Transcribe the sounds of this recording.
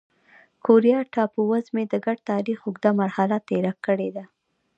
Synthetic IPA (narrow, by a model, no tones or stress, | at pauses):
kʰoɾijɑʈɑpuwazmed̪əɡaɖt̪ɑɾixʊɡd̪amaɾhalat̪eɾakːəɽed̪a